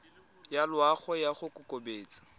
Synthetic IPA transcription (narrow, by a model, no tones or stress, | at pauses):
jalwaχɔjaχʊkʼʊkobeːt͡sʼḁ